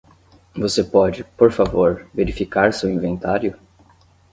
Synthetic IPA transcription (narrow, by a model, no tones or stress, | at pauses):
vosepɔd͡ʒɪpoɾfavoɾveɾifikaɾseʊĩvẽnt̪aɾjʊ